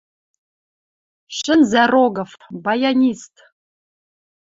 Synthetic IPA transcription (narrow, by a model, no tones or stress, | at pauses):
ʃənzæroɡəfbajanʲist̪